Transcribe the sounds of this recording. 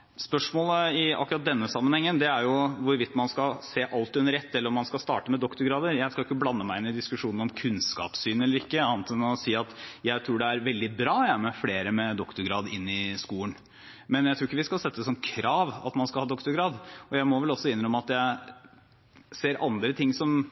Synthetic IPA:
spœʂmoːləɪɑ̰kːɾɑt̪̚d̪ɛnːəsɑmːənhɛŋːənd̪ɛæɾjʊʋʊɾʋɪt̪ːmɑnskɑseːʔɑlt̪ʉnːəɾɛt̪ːɛlːəɾɔmɑnskɑlst̪ɑ̰ːʈəmɛd̪ɔkt̪ʊɾɡɾɑːd̪əɾjæɪskɑljɪkːəblɑnːəmæɪɪnːɪd̪ɪskʉʂuːnɾɔmkʰʉnskɑ̰ːpsyːnɛlːəɾɪkːəɑːnt̪ʰɛnɔsiːɑt̪jæɪt̪ʰɾuːɖɛæɾʋɛld̪ɪbɾɑːjæmɛfleːɾəmɛd̪ɔkt̪ʊɾɡɾɑːd̪ɪnːɪskuːən | mɛnjæɪt̪ʰɾuːɾɪkːəʋɪskɑlsɛt̪ːəsɔnkʰɾɑːʋɑ̰t̪mɑnskɑlhɑːd̪ɔkt̪ʊɾɡɾɑːd̪ɔjæɪmɔʋɛlɔsːɔɪnːəɾɔmɑt̪jæɪ | seːɾʔɑnd̪ɾət̪ʰɪŋːsɔm

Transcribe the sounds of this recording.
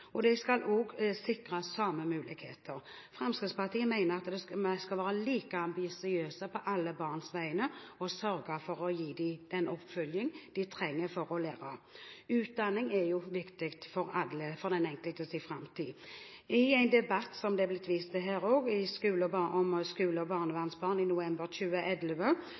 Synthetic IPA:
ɔd̪ɛskɑloːɡsɪkɾɑsɑmːəmʉːlɪɡhḛːt̪ʰəɾ | fʁɑmskɾɪt̪spɑʁt̪iːəmæɪnəɾɑt̪d̪ɛskɑlʋæːɾɑliːkəɑmbɪsɪøːsəpʰɔʔɑlːəbɑːʁnsʋæɪənəɔsœɾɡɑfɔɾɔjiːd̪ɪd̪̥ɛnɔpfœljɪŋd̪̥ɪt̪ʰɾɛŋːəɾfɔɾɔleːɾɑʉːt̪̚d̪ɑnːɪŋɛjʊʋɪkt̪ɪkt̪fɔɾɑəfɔʁd̪ɛnɛŋkəlt̪əsifɾɑmt̪ʰiː | ɪæɪnd̪ɛbɑt̪ːsɔmd̪ɛblɪt̪ʋiːst̪əɦæːɾoːɡɪskʉːləbɑɔmskʉːləɔbɑːʁnəʋɑʁnsbɑːʁnɪnʊɛmbəɾʃʉːəʔɛd̪ləʋə

